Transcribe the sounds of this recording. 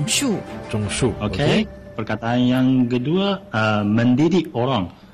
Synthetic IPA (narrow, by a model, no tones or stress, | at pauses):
ŋʃut͡ʃuŋʃuokʰe | pərkat̪aːnjaŋkəduaəməndidiʔoɾaŋ